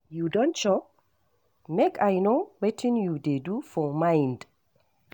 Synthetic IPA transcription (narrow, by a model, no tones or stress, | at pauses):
judõntʃɔp | mekʰajnowetʰɪ̃njudedufɔmãɪ̃nd